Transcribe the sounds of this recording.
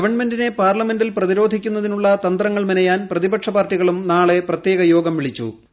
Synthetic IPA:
ɐʋɐɳme̞ndine̞paːrlɐme̞ndilprɐðiɾo̞ːd̪ʱikʲːunːɐðinuɭːɐt̪ɐnd̪rɐŋːɐɭminɐjaːnprɐðibɐʈʂɐbaːrtiɣɐɭumnaːɭe̞prɐt̪jeːɣɐjo̞ːɡɐmʋiɭit͡ɕːṵ

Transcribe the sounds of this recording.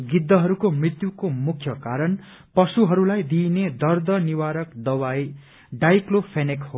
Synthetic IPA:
ɡid̪ːʌɦʌɾukomrit̪jukomukʰjʌkaɾʌn | pʌsuɦʌɾulajd̪ined̪ʌrd̪ʌniwaɾʌkd̪ʌwaj | ɖajklopʰenikho

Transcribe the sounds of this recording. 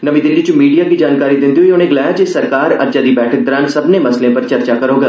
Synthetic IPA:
nɐʋĩd̪ɪ̃ndid͡ʒumiːɖijakid͡ʒaːnkaːɾid̪ɪ̃nt̪iɦojõːnẽɡɪlaːat͡ʃesɐɾkaːɾɐ̰ɾd͡ʒad̪ibɛːʈʰək̚d̪ɐɾãːnsɐbnemɐslẽpɐɾt͡ʃɐɾt͡ʃakɐɾoːɡa

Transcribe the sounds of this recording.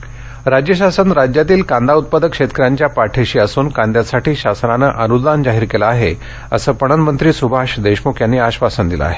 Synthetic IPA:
ɾad͡ʑjəɕasənɾad͡ʑjat̪iːlkãnd̪aut̪̚pad̪əkʂet̪kəɾaɲt͡ɕjapaʈʰeɕiːəsuːnkãnd̪jasaʈʰiːɕasnanəʔənud̪and͡ʑaɦiːɾkelaːɦe | ə̰səːpəɽ̃ənmənt̪ɾiːsubʱaʂd̪eɕmokʰjanːiːaɕʋasənd̪ila̰a̰ɦe

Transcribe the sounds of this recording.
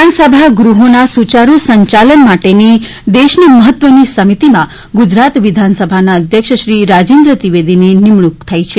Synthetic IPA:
ansəbʱaɡɾuɦonasut͡ʃaɾusəɲt͡ʃalənmaʈeni | d̪eʃniməɦət̪ʋənisəmit̪imã | ɡud͡ʒɾat̪ʋid̪ʱansəbʱanaəd̪ʱjəkʃəʃɾiɾad͡ʒend̪ɾət̪iʋed̪ʱininɪmɭukt̪ʰajt͡ʃʰe

